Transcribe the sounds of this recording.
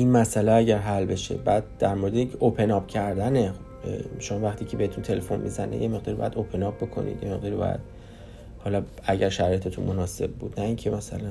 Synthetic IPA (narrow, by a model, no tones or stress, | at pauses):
ʔinmæsæleæɟæɾɦælbe̞ʃḛbæːd̪̚d̥̪æɾmoɾed̪eikʰeʔopʰe̞nɒb̥cʰæɾd̪ænexobʃo̞mɒːvæχt̪iːcʰebe̞et̪ʰunt̪ʰe̞le̞fo̞nmḭzænḛjeme̞ɣd̪ɒːɾibɒ̰jæd̪opʰe̞nɒb̚be̞kʰo̞̰nḭd̪jeme̞ɣd̪ɒɾibɒ̰jæ̰d̪̥̚ | hɒːlɒæɟæɾʃæɾɒːjet̪ʰet̪ʰunmo̞nɒːse̞b̚ːuːd̪̥næiŋcʰe̞mæsæ̰læn